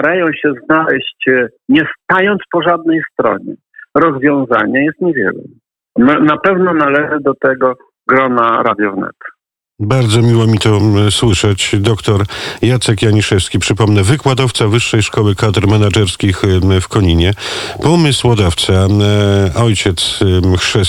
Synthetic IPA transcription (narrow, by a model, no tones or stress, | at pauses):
t̪aɾajɔ̃w̃ɕɛznalɛɕt͡ɕ | ɲɛst̪ajɔnt̪spɔʐad̪̚nɛjst̪ɾɔ̰ɲɛ̰ | ɾɔzvʲjɔ̃w̃za̰ɲɛjɛst̪ɲɛvʲjɛ̰lɛ̰ | nnapɛvnɔnalɛʐɘd̪ɔt̪ɛɡɔ | ɡɾɔnaɾa̰d̪ʲjɔvnɛ̰t̪ | baɾd̪zɔmʲiwɔmʲit̪ɔswɘʂɛt͡ɕd̪ɔkt̪ɔɾjat̪sɛkjaɲiʂɛfskʲipʂɘpɔmnɛvɘkwad̪ɔft̪savɘʂːɛjʂkɔwɘkad̪ɾmɛnad͡ʐɛɾskʲixfkɔɲiɲɛpɔmɘswɔd̪aft̪sa | ɔjt͡ɕɛt̪sxʂɛ